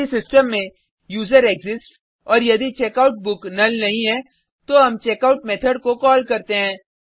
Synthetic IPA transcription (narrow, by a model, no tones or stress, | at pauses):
isɪsʈəmːẽ | juːzəɾeːɡzɪsʈ | ɔːɾjɐd̪it͡ʃeːkaːʊʈ̚bʊknɐlnɐɦĩɦɛ̃ | t̪oɦɐmt͡ʃeːkaʊʈmɛːt̪ʰəɖkokɔːlkɐɾt̪eɦɛ̃ː